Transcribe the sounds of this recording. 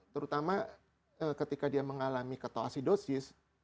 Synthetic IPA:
t̪əɾut̪ama | əkət̪ikadiaməŋalamikət̪oa̰sidosɪs

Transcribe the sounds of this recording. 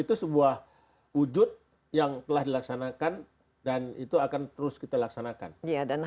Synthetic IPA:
it̪usəbuah | wud͡ʒʊt̪̚ | jaŋt̪əlahdilaksanakan | danit̪uakant̪əɾʊskit̪alaksanaka̰njadan

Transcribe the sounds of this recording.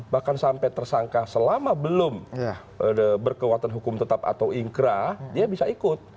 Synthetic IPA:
bahkansampɛt̪ərsaŋkasəlamabəlʊm | əəbərkəwat̪anɦukʊmt̪ət̪apa̰t̪awiŋkɾadiabisaikʊt̪̚

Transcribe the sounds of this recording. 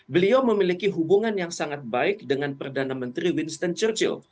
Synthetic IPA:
bəliaməmilikiɦubuŋanjaŋsaŋat̪̚baɪk̚dəŋanpərdanamənt̪ɾiwinst̪ənt͡ʃərt͡ʃɪ̰l

